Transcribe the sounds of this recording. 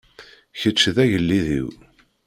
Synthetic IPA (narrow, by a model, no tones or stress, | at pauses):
çət͡ʃːðæʝəlːiðḭw